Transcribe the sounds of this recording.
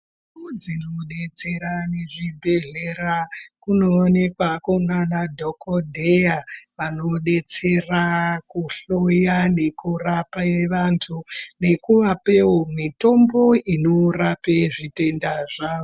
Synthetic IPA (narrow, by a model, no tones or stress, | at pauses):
ud͡zinoɗe̞t͡se̞ɾaneʐibʱe̞ɮe̞ɾakunoːne̞kwakonanadʱokʰodʱejaʋano̞ɗe̞t͡se̞rakuɬojane̞kurapaeʋantʰune̞kuʋapewomito̞mbo̞inorapeʐite̞ndaʐaːʋo